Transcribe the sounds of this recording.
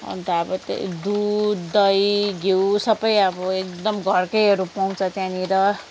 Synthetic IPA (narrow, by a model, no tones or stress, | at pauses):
ʌ̰nt̪ʌʌbʌt̪d̪ud̪ʌjɡewsʌbʌjʌbʌek̚d̪ʌmɡʱʌrkʌjɦʌɾupaw̃t͡sʰʌt̪jãniɾʌ